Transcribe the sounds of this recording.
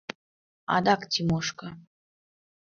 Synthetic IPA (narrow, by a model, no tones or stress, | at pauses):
ɑ̰d̪ɑktʲimoʃkɤ̆